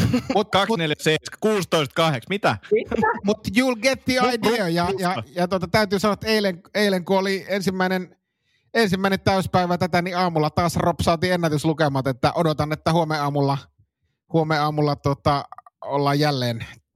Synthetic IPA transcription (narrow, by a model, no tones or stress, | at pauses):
mut̪kɑksneljæseskuːst̪oist̪̚kɑheksmit̪æimut̪juːlɡet̪ːiɑidiøjɑjɑjɑt̪uot̪ɑt̪æˑyt̪yːsɑnoɑt̪ːeˑileŋeˑileŋkuoliensimːæˑinen | ensimːæinent̪æˑyspæˑiʋæt̪æt̪æniɑːmulːɑt̪ɑːsropsɑːˑt̪iːenːæt̪yslukemɑːt̪et̪ːæʔodot̪ɑnːet̪ːæhuomeɑːmulːɑ | huomeɑːmulːɑt̪uot̪ɑolːɑjjælːeːn